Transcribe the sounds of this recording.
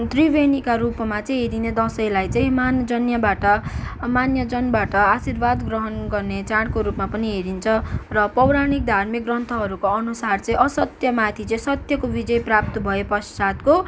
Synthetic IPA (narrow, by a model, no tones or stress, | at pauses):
t̪ribenikaɾupmat͡sʌĩɦeɾined̪ʌsʌjlajt͡sʌ̃ĩmand͡zʌnjʌbaʈʌmanjʌd͡zʌnbaʈʌasirbad̪ɡrʌɦʌnɡʌrnet͡sãɽkoɾupmapʌniɦeɾint͡sʰʌrʌpʌwɾaɽ̃ik̚d̪ʱarmik̚ɡrʌnt̪ʰʌɦʌɾukoʌnusart͡sʌ̃ĩʔʌsʌt̪jʌmat̪ʰit͡sʌĩsʌt̪jʌkobid͡zʌjprap̚t̪ʌbʱʌepʌssat̪ko